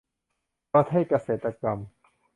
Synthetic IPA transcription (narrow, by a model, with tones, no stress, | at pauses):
ɔ˧˦t̪̚ha˥˩jka˧seː˨˩t̪ːa˧ka˧m